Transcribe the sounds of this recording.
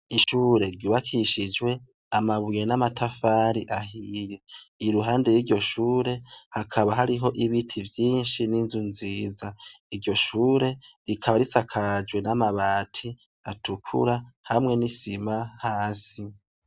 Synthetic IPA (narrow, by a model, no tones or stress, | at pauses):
iʃuːɾe̞ɾɟiβakʰiʃid͡ʒwe̞ | amaβujenamatʰafaːɾiʔaɦiːje̞iɾuɦaːnde̞jiɾɟo̞ʃuːɾe̞hakʰaβaɦaɾiɦo̞ʔiβitʰivjiːnʃininzunziːza | iɾɟo̞ʃuːɾe̞ɾikʰaβaɾisakʰad͡ʒwe̞namaβaːtʰi | atukʰṵɾahamŋe̞nisimahaːsi